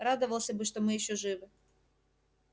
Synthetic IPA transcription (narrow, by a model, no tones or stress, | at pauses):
ɾad̪əvəlˠsʲɐbɨʂt̪omɨjɪɕːɵʐɨvɨ